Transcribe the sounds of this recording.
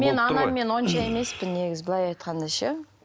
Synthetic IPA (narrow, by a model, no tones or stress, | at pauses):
me̞nɑnɑːe̞nwo̞nʃɑe̞me̞spɪnːe̞ɡʲɪzbɪlˠɑjɑjt̪qɑnd̪ɑʃɑ